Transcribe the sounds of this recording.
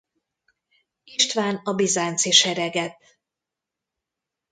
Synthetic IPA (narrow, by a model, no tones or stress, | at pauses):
iʃt̪vaːnɒbizaːnt̪siʃɛɾɛɡɛt̪